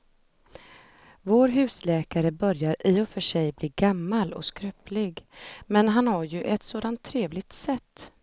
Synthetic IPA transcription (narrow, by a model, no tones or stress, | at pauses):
voːɾɦʉ̟ːslɛːkaɾəbœɾjaɾʔɪːɔfœʂɛjbliːɡamːalɔ̰skɾœpʰlɪɡmɛnɦanhaɾjɵʔɛt̪soːd̪ant̪ʰːɾeːvlɪɡ̚t̪sɛt̪ː